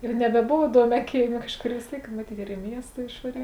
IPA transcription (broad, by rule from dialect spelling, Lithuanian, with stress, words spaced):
ɪr nʲɛbʲɛˈboːʋɐ ɪˈduɔmʲæː ˈkʲeːɪˌmʲeː ˈkɑːʃˌkoːr ʋʲɪs ˈtʲeːɪk mɐˈtʲiːt ɪr ɪ ˈmʲiɛstɐ ɪʃʋɐˈrʲiː